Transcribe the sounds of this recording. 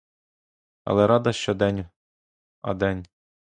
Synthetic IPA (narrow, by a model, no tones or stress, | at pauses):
ɐ̰lˠɛɾɑd̪ɐʃt͡ʃɔd̪ɛnʲ | ɐ̰d̪ɛnʲ